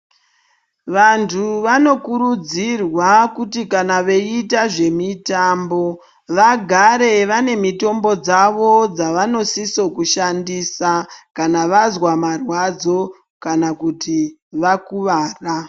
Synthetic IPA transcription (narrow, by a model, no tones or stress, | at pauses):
ʋantʰuʋano̞kuɾud͡zirwakutikanaʋe̞itaʐe̞mitambo̞ | ʋaɡʱaɾe̞ʋane̞mito̞mbo̞d͡zaʋo̞d͡zaʋano̞siso̞kuʃandisakanaʋazwamarwad͡zo̞ | kanakutiʋakuʋaːra